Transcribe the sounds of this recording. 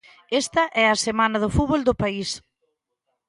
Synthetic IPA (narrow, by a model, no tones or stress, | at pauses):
est̪ɐʔɛɐsemanɐð̞ʊfuβold̪ʊpais